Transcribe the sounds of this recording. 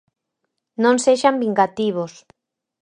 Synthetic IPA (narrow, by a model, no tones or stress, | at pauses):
nõnseʃambiŋɡat̪iβos